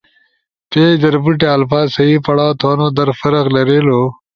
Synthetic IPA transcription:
peːd͡ʑɐɾbuʈeɐlfaːzsɐiːpɐɽaːt̪ʰoːnod̪ɐɾfɐɾɐqlɐɾeːlo

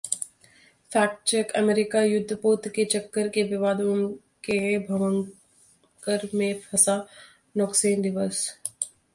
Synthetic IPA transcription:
fʰaːk̚t͡ʃəkɐmeːɾɪkajʊd̪ʱːpoːt̪ket͡ʃɐkːəɾkeʋɪʋaːd̪õm | kẽbʱɐʋə̃ŋ | kəɾmẽpʰɐsa | nɔkseːnɖɪʋəs

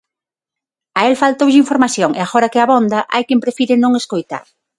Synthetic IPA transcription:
aelfalt̪owʎɪiɱfoɾmaθjoŋḛaɣɔɾɐkɪaβond̪ɐʔa̰jkempɾefiɾɪnõŋeskojt̪a̰ɾ

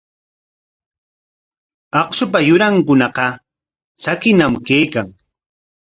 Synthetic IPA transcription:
ɑχsʊp̬ajʊɾaŋkʊnɑqɑ | t͡ʃakɪnamkejkaŋ

